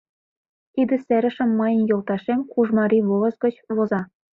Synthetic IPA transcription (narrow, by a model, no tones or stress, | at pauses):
t̪id̪ɘ̆seɾə̆ʃə̆mːɤjə̆njolˠt̪ɑʃemkuʒmɑɾiβolə̆sɡə̆t͡ɕβozɑ